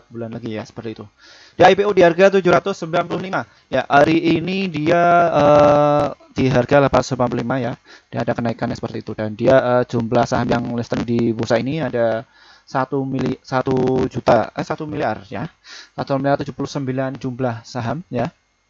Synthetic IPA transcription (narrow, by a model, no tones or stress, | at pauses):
bulanlaɡijasə̥pərt̪iːt̪u | d̥iaipeudiɦarɡat̪̬ud͡ʒuɾat̪ʊsːəmbilanpulʊhlima | jaʔaɾiːnidiaə | diɦarɡalapat̪ʊsəmbilanpululimajad̥iadakənaikanjasə̥pərt̪iːt̪udandiaʔəd͡ʒumblahsaɦamjaŋlist̪əndibosainiada | sat̪umilisat̪ud͡ʒut̪a̰əsat̪umiliarja̰sat̪umiliart̪ud͡ʒupulʊhsəmbiland͡ʒumblahsaɦamja